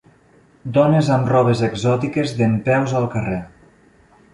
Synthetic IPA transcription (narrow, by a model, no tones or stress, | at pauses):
d̪ɔnezamrɔβezeɡzɔt̪ikezðempɛwzalˠkəre